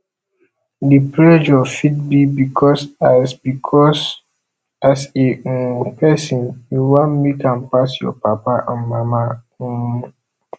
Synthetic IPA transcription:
dipɹɛd͡ʒɔfid̚bibikʰɔsasbikʰɔs | asepʰɛsĩnjuwãnmekãnpasjɔ̰papaʔã̰nmama

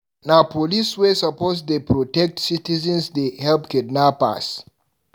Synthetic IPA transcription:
napʰoliswesapos̬depɹotɛk̚tsitizɛ̃nsdehɛlpkidnapa̰s

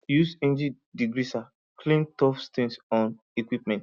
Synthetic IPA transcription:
jusẽnd͡ʒi | diɡɾisa | kʰlĩntɔfstʰĩnsɔ̃n | ikwipmɛ̃nt

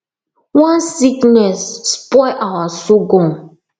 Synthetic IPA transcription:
wãnsiknɛsːpɔɪʔawasoɡɔ̃n

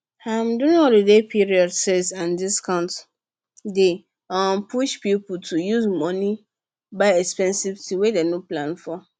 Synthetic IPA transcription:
ãmdũnɔdədepʰiɹiɔdsezãndiskʰãʊ̃nt | de | ãmpʰuʃpiputʰujuzmɔ̃nĩ | baɪɛkspɛ̃nsivtʰiwedenoplãnfɔ

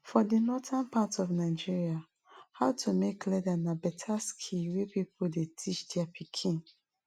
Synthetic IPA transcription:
fɔdinɔtãnpʰatɔvnaɪd͡ʒiɹia | haʊtʰumekʰlɛdanabɛtʰaskʰiwepipʰoldetʰit͡ʃdɛapʰikʰĩn

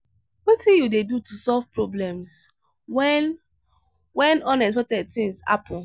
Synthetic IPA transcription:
wetĩjudedutusɔlvpɹɔblɛ̃ms | ɛn | wɛ̃nɔ̃nɛs̬pɛtɛd̚θĩŋsa̰pʰɔ̃

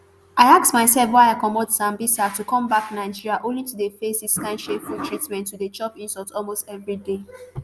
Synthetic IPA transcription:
aɪak̚smaɪsɛlˠfwaɪaɪkɔmɔdsãmbisatukʰɔ̃mbaknaɪd͡ʒiɹiaʔõnlitudefesiskãɪ̃nʃefultʰɹitmɛ̃ntʰːudət͡ʃɔpĩnsɔtɔlmostɛvɹide

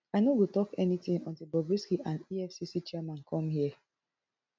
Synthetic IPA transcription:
aɪnowitɔkɛnitĩŋɔ̰̃ntibɔbɹiskiʔãndiɛfsisit͡ʃiɛmãnkʰɔ̃mhiə

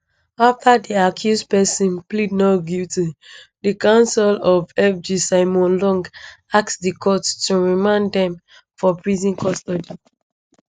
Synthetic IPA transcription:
aftʰadiakʰjuspɛsɔ̃nplid̚noɡitidikãʊ̃nsɛlɔvɛfd͡ʒisaɪmɔ̃nlɔ̃ŋɡaksdikʰɔttuɹimãnddɛ̃m | fɔpɹizĩnkʰɔstɔdi

